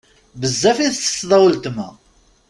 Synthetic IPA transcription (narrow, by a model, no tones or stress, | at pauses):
bəzːæfiθsə̥sːðˤɑwəlt̪mæ